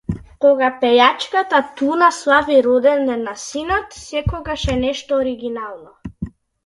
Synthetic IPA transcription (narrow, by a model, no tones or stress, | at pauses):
kɔɡapɛjat͡ʃkat̪at̪unaslˠaviɾɔd̪ɛnnɛnasinɔt̪sɛkɔɡaʃɛnɛʃt̪ɔːɾiɡinalˠnɔ